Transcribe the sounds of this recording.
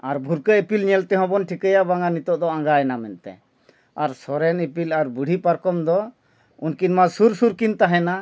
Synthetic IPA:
aɾbʱuɾkəipilɲɛlt̪ɛɦɔ̃bɔnʈʰikajabaŋanit̪ɔʔd̪ɔãŋɡaɛnamɛnt̪ɛ̰ | aɾsɔɾɛnipilaɾbuɽ̤ʱipaɾkɔmd̪ɔ | unkinmasuɾsuɾkint̪aɦɛna

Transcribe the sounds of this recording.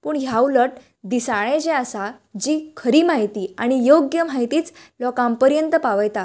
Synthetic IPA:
puːɳɦjawləʈ̚ | d̪isaɭ̃ẽd͡ʑɛasa | d͡ʑiːkʰəɾiːmaɦit̪iːaɽ̃ijoɡjəm̤aɦit̪iːt͡slɔkãmpəɾjənt̪əpaʋəjt̪a

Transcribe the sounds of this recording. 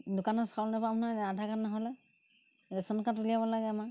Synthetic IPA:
dʊkanɔskalnapamnaadʱakanːaɦɔlɛ | ɛsɔnkatulijabɔlaɡɛama

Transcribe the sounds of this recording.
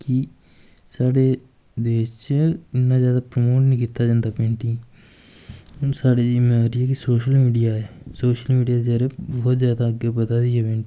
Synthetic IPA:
kɪ | saːɽeː | d̪eːʃt͡ʃɪnːãːzjaːd̪aːpɾəmoːʈnĩːkit̪ːaːd͡ʒãːnd̪aːpẽːɳʈiː | saːɽeːd͡ʒimɛ̃ːɾɪɛːkɪsoːʃəlmiːɖijaːɛːsoːʃəlmiːɖijaːd̪aːɾeːbɔːt̪zjaːd̪aːəɡeːpət̪aːd̪ɪːɛːʋẽː

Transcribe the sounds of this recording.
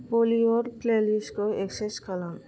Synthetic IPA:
polioɾkleliskoekseskalam

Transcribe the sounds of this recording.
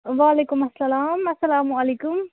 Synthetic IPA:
ʋaːleːkʊmɐsːɐlaːmɐsːɐlaːmuɐleːkʊm

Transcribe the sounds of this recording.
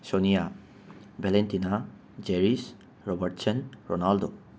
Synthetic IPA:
sɔnija | bɛlentina | d͡ʒeɹis | ɹɔbaɹtsənɹɔnaldo

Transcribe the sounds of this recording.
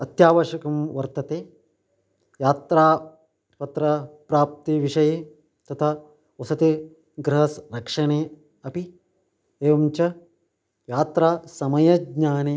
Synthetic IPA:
ɐt̪jaːʋɐʃɐkɐmʋɐɾt̪ɐt̪eː | jaːt̪ɾaː | pɐt̪ɾɐpɾaːp̚t̪iʋiʂɐjeː | t̪ɐt̪ʰa | ɐsɐt̪i | ɡɾɐɦɐsɾɐkʂɐneː | ɐpi | eːʋɐmt͡ʃɐ | jaːt̪ɾaːsɐmɐjɐɡɲaːneː

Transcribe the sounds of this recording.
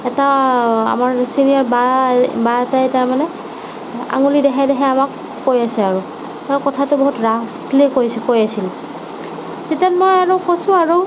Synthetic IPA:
ɛtaa̰maɹsinijaɹbabatajtaɹmanɛ | a̰ŋulidɛɦadɛɦɛamakː | ojasɛaɹu | akɔtʰatʊbɔɦutɹaplikojskojasil | tetjanmojaɹɔkosʊ̃aɹu

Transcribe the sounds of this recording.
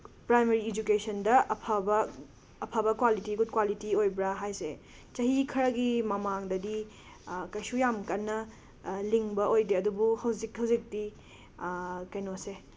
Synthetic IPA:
pɾajmeɾiːd͡ʒukesɐndɐɐpʰabɐː | pʰabɐkwalitiɡut̚kwalitiojbɾaɦajse | t͡ʃɐɦikʰɐɾɐɡimɐmaŋdɐdi | kɐjsujamkɐnːɐ | liŋbɐʔojdeɐdubuhɐwzikhɐwzik̚di | kɐjnose

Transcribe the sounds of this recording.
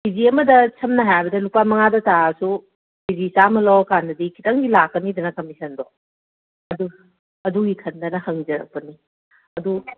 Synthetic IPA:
biziɐmɐdɐsʰɐmnɐɦajbɐdɐlupamɐŋadɐtasu | bizisamɐlɔwɐkandɐdikʰitɐŋɡilakːɐnidɐnɐkɐmisɐndɔ | ɐdu | ɐduɡikʰɐndɐnɐhɐŋd͡ʒɐɾɐ̰k̚pɐni | ɐdu

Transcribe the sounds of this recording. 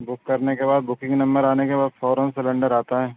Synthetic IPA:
bʊkːɐɾnekebaːd̪bʊkɪ̃ŋɡnɐ̃mbəɾaːnekebaːd̪fɔːɾə̃nsɪlə̃ɳɖəɾaːt̪aɦɛː

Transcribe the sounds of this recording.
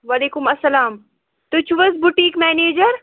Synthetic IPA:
ʋaleːkʊmɐsːɐlaːm | t̪ʊt͡ʃʰʋɐsbʊʈiːkmɛːneːd͡ʒəɾ

